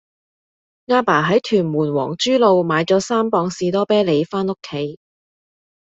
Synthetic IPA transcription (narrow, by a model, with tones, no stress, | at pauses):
ŋaː˧˥paː˨˩ɦɐ˨˥jt̪ʰyː˨˩nmuː˨˩nwɔ̰ː˨˩ŋt͡ʃyː˥lo˨˧wmaː˨˧jt͡sɔː˨˥saː˥mpɔː˧ŋsiː˧t̪̬ɔː˥pɛː˥le˨˧jfaː˥no˥kʰːe˨˥j